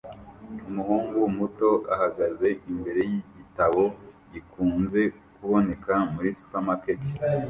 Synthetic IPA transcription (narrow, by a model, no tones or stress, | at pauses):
umuhuːŋɡumuto̞ʔahaɡaze̞ʔimbe̞ɾe̞jiɟitaβo̞ɟikuːnze̞ | kuβo̞ne̞kamuɾisu̥pamakeke̥